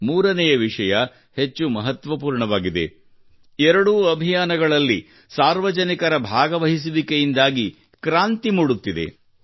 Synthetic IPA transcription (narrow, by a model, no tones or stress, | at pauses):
muːɾɐnɛjɐʋiʂɐjɐ | het͡ʃːumɐɦɐt̪ʋɐpuːɾɳɐʋaːɡid̪e̞̰ | ɛɾɐɽuːɐbʱijaːnɐɡɐɭɐlːi | saːɾʋɐd͡ʒɐnikɐɾɐbʱaːɡɐʋɐɦis̬uʋikejind̪aːɡi | kɾaːnt̪imuːɽut̪ːid̪e̞̰